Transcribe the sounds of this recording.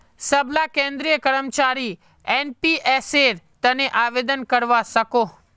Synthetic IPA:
səblakẽnd̪ɾijəkəɾəmt͡ʃaɾi | enpiʔeseɾt̪əneʔaʋed̪ənkəɾʋasəko

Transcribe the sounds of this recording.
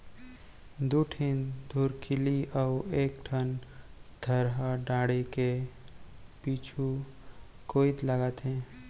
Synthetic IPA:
d̪uʈʰind̪ʱuːɾkʰɪliʔaʊeːkʈʰənd̪ʱəɾɦəɖaːɽike | piːt͡ʃʰu | koːid̪ləɡət̪ɦɛ̃ː

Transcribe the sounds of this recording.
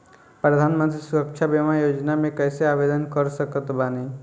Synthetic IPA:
pɾəd̪ʱaːnmə̃nt̪ɾisuɾəkʃʰabemajoːd͡ʒnamẽkɛɪseaʋed̪ənkəɾsəkət̪bane

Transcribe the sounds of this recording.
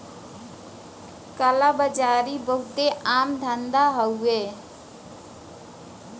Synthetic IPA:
kalabəd͡ʒaɾibəɦut̪eʔamd̪ʱənd̪aɦəwe

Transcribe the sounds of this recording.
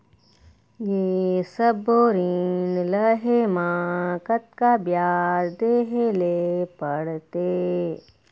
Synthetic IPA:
jeːsɐboɾinlɐɦemaːkɐt̪̚kabjaːɾd̪eːɦelepɐɽt̪e

